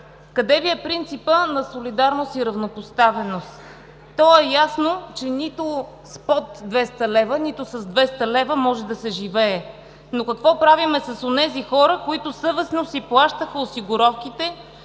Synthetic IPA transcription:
kɐd̪ɛviɛpɾint̪sipənɐsolid̪aɾnost̪iɾɐvnopost̪avɛnost̪ | t̪ːɔɛjasnot͡ʃɛnit̪o | spɔt̪d̪vɛst̪ɐlɛvənit̪ʊsɐzd̪vɛst̪əlɛvəmɔʒɛd̪ɐsɛʒivɛː | nokɐkvɔpɾavimɛsɐsonɛzixɔɾəkoit̪ʊsɤvɛsnosiplˠaʃt̪əxəosiɡʊɾɔfkit̪ɛ

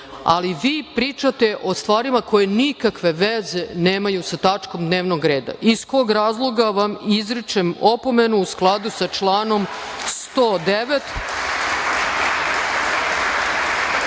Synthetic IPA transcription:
a̰liʋiːpɾiːt͡ʂat̪eʔo̞st̪ʋaːɾimakojenikakʋe̞ʋezeneːmajusat̪at͡ʂko̞md̪neːʋnoɡɾeːd̪a̰ʔisko̞ːɡɾaːzlˠo̞ɡaʋamizɾit͡ʃemo̞po̞menuusklˠad̪usat͡ʂlˠaːno̞mst̪oːd̪eʋet̪

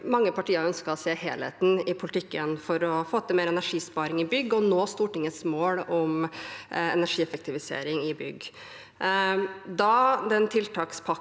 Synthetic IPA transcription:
mɑŋːəpɑʈiːəɾœnskəɾɔseːheːlhḛːt̪n̩ɪpʰʊlət̪ʰɪkːənfɔɾɔfoːt̪əmeːɾɛnæʂiːspɑːɾɪŋɪbʏɡːɔnoːst̪uːʈɪŋːəsmoːlɔm | ɛ̰næʂiːɛfək̚t̪ɪʋɪsḛːɾɪŋɪbʏ̰ɡː | d̪ɑd̪ɛnt̪ʰɪlt̪ʰɑːkspʰɑ

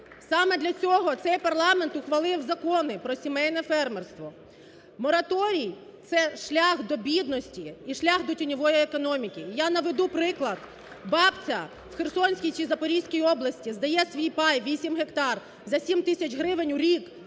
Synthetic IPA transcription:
sɑmɛd̪lʲɐt͡sʲɔɦɔt̪sɛjpɐrlˠɑment̪ʊxʋɐlˠɪwzɐkɔnɪpɾɔsʲimɛjnɛfɛrmerst̪ʋɔ | mɔɾɐt̪ɔɾʲij | t̪sɛʃlʲaxd̪ɔbʲid̪nɔsʲtʲiiʃlʲaxd̪ɔtʲinʲɔʋɔjiekɔnɔmʲikʲɪjanɐʋed̪upɾɪklˠɐd̪ | bɑpt͡sʲɐ | wxersɔnʲsʲkʲijt͡ʃizɐpɔɾʲijsʲkʲijɔblˠɐsʲtʲizd̪ɐjɛsʲʋʲijpɑjʋʲisʲimɦekt̪ɑr | zɐsʲimt̪ɪsʲɐt͡ʃɦɾɪʋɪnʲuɾʲik

